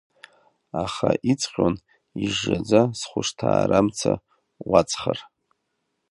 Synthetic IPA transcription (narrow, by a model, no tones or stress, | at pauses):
aχaʔit͡sʰʼqʲʼon | iʐːad͡zasχʷʊʂtʰaːɾamt͡sʰa | wat͡sʰʼχar